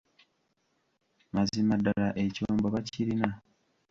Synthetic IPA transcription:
mazimadːalaʔe̞coːmboβaciɾina

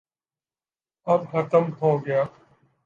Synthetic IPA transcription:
ɐbxɐt̪əmɦoːɡɐjaː

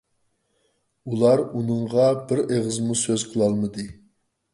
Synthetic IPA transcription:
ulˠɑɾunɨɴʁɑbɪɾeʁəzmusøzqʰəlˠɑlˠmɨd̪ɨ

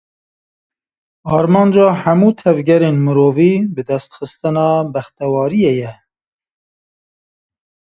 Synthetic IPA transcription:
ɑːɾmɑːnd͡ʒɑːhæmuːt̪ʰɛvɡɛɾeːnmɨɾoːviːbɨd̪ɛst̪xɨst̪ɨnɑːbɛxt̪ɛwɑːɾijejɛ

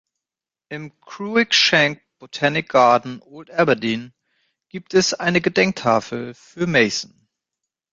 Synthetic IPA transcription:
ʔɪmkʁ̥uːɪkʃɛŋk̚b̥otʰanɪk̚ɡ̥aɐdn̩ʔoːltʔɛbɐdiːn | ɡ̥iːp̚tɛsʔaɪnəɡədɛŋk̚tʰa̰ːfl̩fyːɐmeɪsn̩

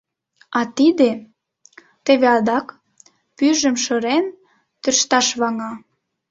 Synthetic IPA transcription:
ɑt̪id̪e | t̪eβeɑd̪ɑk | pyʒəmʃə̆ɾen | t̪yrʃt̪ɑʃβɑŋɑ

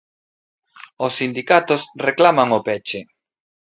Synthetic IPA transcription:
osːind̪ikat̪osreklamaŋopɛt͡ʃe

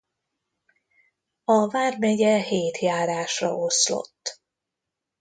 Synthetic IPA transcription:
ɒvaːrmɛɟɛɦeːt̪jaːɾaːʃrɒ̰ʔoslo̰t̪ː

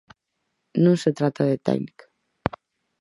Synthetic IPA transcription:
nũŋset̪ɾat̪aðet̪ɛ̰ɡnikḁ

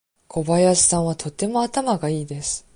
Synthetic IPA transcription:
kʰo̞bajasɨ̥sãɰ̃β̞at̪ʰo̞t̪ːe̞mo̞at̪amaɡaiːd̪e̞sɨ̥

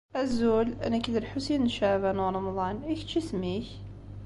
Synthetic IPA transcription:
æzulæ̰nækid̪əɾħusinnʃævænuɾˤɑmðˤɑnikt͡ʃːismiç

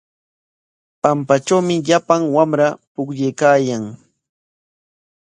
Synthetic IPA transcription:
pampaʈ͡ʂawmɪʎapaŋwamɾapʊkʎejkaːjaŋ

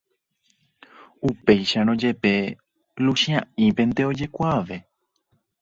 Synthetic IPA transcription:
upe̞jʃaɾõd͡ʒe̞pe̞ | luʃiãĩpe̞nt̪e̞o̞d͡ʒe̞kʷaʋe̞

